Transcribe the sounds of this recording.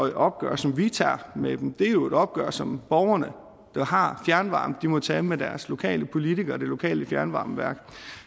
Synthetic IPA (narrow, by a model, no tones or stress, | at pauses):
eɒ̽b̥̚ɡ̥ɶ̰ːɐ̰sɒ̽mʋit͡sʰɑ̰̈ːmed̥em̩d̥e̝æjo̝e̝ɾ̥ɒ̽b̥̚ɡ̥œ̰ɐ̰sɒ̽mb̥ɒʊɐnə | d̥ɑ̈hɑ̈fjæɐnʋɑ̈ːmd̥imɒ̽t͡sʰɛːmed̥æɐslo̝kʰɛ̰ːləpʰo̝lit͡sʰiɡ̥ɐd̥e̝lo̝kʰɛ̰ːləfjæɐnʋɑ̈ːmʋæɐ̰ɡ̥